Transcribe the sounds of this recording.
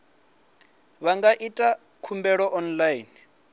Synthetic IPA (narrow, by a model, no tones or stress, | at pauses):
βaŋɡaʔitʼa | kʰumbɛɺɔʔɔnlain